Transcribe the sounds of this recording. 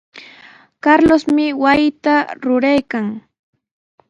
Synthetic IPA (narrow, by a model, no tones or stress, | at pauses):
kaɾlosmɪwajɪt̪aɾʊɾajkaŋ